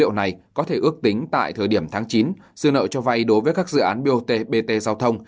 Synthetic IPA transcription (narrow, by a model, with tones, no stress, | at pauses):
ḭ˧˨əwna˨˩jkɔ˨˦t̪ʰe˧˩ʔɨ˦˥ək̚t̪ï˨˦ŋ̟t̪a̰ː˧˨jt̪ʰəː˨˩jɗi˧˩əmt̪ʰaː˨˦ŋt͡ɕi˨˦n | sɨ˧ənə̰ː˧˨t͡ɕɔ˧va˧jɗo˨˦jvəː˨˦jkaː˦˥k̚zɨ̰˧˨ʔaː˨˦nɓi˧ʔo˧t̪e˧ɓe˧t̪e˧zaː˧wt̪ʰə˧wŋ͡m